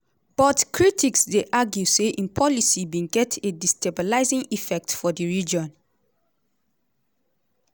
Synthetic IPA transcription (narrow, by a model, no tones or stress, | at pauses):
b̥ɔtkʰɹitiksdeʔaɡjuseʔĩnpʰɔlisiwĩnɡɛtedistebɔlaɪzĩŋifɛk̚tfɔdəɹid͡ʒɔ̃n